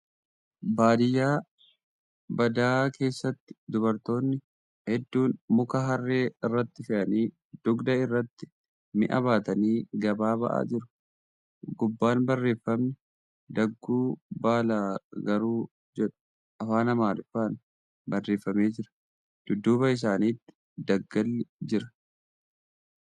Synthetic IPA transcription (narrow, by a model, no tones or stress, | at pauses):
baːd̪ɪjːaː | bɐd̪aːkʰe̞ːsːɐt̪ːɪ̥d̪ʊbɐɾt̪o̞ːnːɪ | hɛd̪ːuːnmʊkɐɦɐrːeːɪrːɐt̪ːɪfɪʔɐniː | d̪̥ʊɡd̪ɐɪrːɐt̪ːɪ̥ | mɪʔɐ̰βaːt̪ɐniːɡɐbaːbɐ̰ʔa̰ːd͡ʒɪɾʊ̥ | ɡʊbːaːnbɐrːe̞ːfːɐmnɛ | d̪ɐɡːuːbaːlaːɡɐɾuː | d͡ʒɛᶑɐ̥ | ʔɐfaːnɐmaːlʊfaːn | bɐrːe̞ːfːɐme̞ːd͡ʒɪɾɐ̥ | d̪̥ʊd̪ːuːbɐɪs̬aːniːt̪ːɪ̥ | d̪ɐɡːɐlːɪd͡ʒɪɾɐ̥